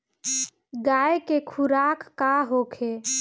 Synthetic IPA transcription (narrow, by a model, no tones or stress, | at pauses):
ɡaekekʰuɾakːaɦokʰe